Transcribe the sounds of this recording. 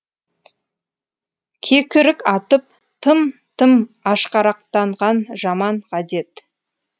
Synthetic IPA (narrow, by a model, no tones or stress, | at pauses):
kʲʰekʲɪɾɪkɑt̪əp̚ | t̪ʰəmt̪ʰəmɑʃqɑɾɑq̚t̪ɑɴʁɑnʒɑmɑɴqʰɑd̪e̞t̪